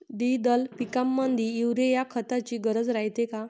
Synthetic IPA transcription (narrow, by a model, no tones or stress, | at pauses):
d̪id̪əlpikamːənd̪ʱiːwɾejakʰət̪at͡ɕiːɡəɾəd͡zɾajt̪eka